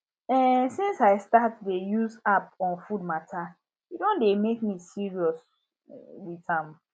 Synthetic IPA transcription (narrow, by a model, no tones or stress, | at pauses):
ɛsĩnsaɪstat̚dejuzap̚ɔ̃nfud̚matʰa | idõndemek̚misiɹiɔs | witãm